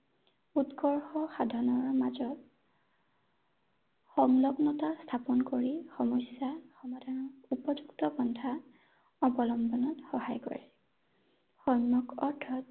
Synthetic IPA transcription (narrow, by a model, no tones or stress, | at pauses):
utkɔɹxɔxadʱanɔɹmazɔt | xɔŋlɔɡnɔtast̪ʰapɔnkoɹixɔmɔjsjaxɔmɔdʱanɔupɔd͡ʒuktɔbɔndʰʱa | ɔbɔlɔmbɔnɔtxɔhajkɔ̰ɹɛ | xɔjmɔkɔɹtʰɔt